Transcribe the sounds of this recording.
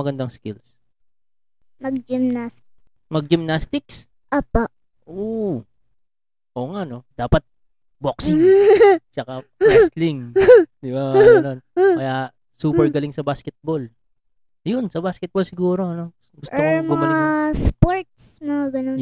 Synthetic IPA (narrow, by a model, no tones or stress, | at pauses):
ɐɡɐnd̪ɐŋskɪls | mɐɡ̚d͡ʒɪmnast̪ɪk | mɐɡ̚d͡ʒɪmnast̪ɪks | ʔoːpaʔ | ʔo | ʔoːŋaʔno̞d̪aːpɐt̪̚ | boksi | t͡ʃɐkast̪lɪŋd̪ɪbaɐnonkɐja | suːpɛɹɡɐlɪŋsɐbaːskɛt̪̚bol | jʊnsɐbaskɛt̪̚bolsɪɡuːɾo̞ɐno̞ | ɡʊsomomɡʊɐŋɐlaspoɹt̪̚smɐŋaɡɐnon